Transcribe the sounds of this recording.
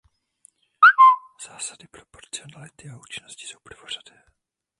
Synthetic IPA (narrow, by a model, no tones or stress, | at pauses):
z̥aːsadɪpɾopo̞ɾt͡sɪo̞nalɪt̪ɪauːt͡ʃɪnoscɪ̥sowpɾovor̝̥adɛː